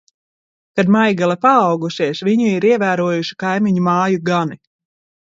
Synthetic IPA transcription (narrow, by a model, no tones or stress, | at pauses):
kad̪majɡɛlˠɛpaːwɡusiɛsvʲiɲuiɾiɛvæːɾuɔjuʃi̥kajmiɲumaːjuɡani